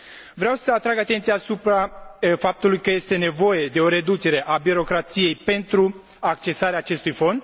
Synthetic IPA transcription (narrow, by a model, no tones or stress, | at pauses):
vɾeawsəat̪ɾaɡat̪ent̪sijaːsupɾafap̚t̪ulujkəje̞st̪e̞ne̞vo̞je̞d̪e̞o̞ɾe̞d̪ut͡ʃe̞ɾe̞ʔabiɾo̞kɾat̪sije̞jpe̞nt̪ɾu | akt͡ʃe̞saɾeaːt͡ʃe̞st̪ujfo̞nd̪